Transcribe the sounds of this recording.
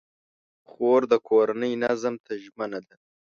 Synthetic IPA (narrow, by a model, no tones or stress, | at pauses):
xoːɾd̪əkʰoɾanəjnazamt̪ʰaʒmənad̪a